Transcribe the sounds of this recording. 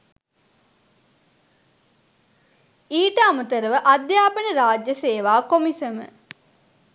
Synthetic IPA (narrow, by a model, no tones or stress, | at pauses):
iːʈəamut̪əɾəʋəʔad̪jaːpənəɾaːd͡ʒjəseːʋaːkomisəmə̰